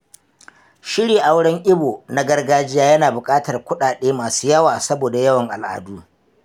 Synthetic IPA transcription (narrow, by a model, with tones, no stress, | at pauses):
ʃɪ˦ɽiː˨ʔa˦wɽɐ˦ŋʔɪ˦boː˨na˦ɡɐ˦rɡaː˦d͡ʒɪ˦jaː˦jɐ˦naː˨bʊ˨kʼaː˦tɐ˨rkʷʊ˦ɗaː˨ɗeː˦maː˨suː˦jɐ˦waː˨sɐ˦boː˨da˨jɐ˦wɐ˨ŋʔa˨lʔa̰ː˨duː˦